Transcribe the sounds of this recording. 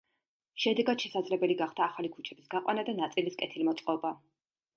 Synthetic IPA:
ʃɛd̪ɛɡad̪̥ʃɛsad̪zlɛbɛliɡaχd̪aːχalikʰu̥t͡ʃʰɛbisɡaqʼwanad̪anat̪sʼiliskʼɛt̪ʰilmɔt̪sʼqʼɔba

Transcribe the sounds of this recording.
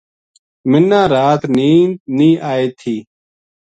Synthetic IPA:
mɪnːãːɾaːt̪niːnĩːʔaːeːt̪ʰiː

